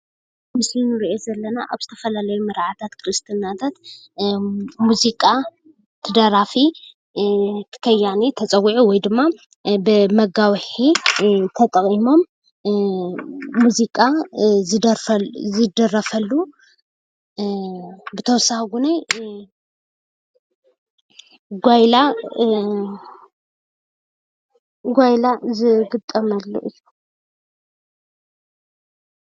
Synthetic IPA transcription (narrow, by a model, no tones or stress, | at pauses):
mɨslinɨɾiʔozɐlːɐnaʔa̰βzɨt̪ʰɐfɐlalɐjumɨɾʕat̪ʰat̪kʰɨɾɨst̪ʰɨnat̪ʰat̪ | muzikʼa | t̪ʰɨd̪ɐɾafi | t̪ʰɨ̥kʰɐjːanit̪ʰɐt͡sʼɐwiʕuwɔjd̪ɨmːa | bɨmɐɡawħit̪ʰɐt̪ʼɐχʼimo̞m | muzikʼazɨd̪ɐzɨd̪ɐrɐfɐlːu | bɨt̪ʰɐwsahɡunaj | ɡʷajla | ɡʷajlazɨɡɨt̪ʼːɐmɐlːṵʔɨjːu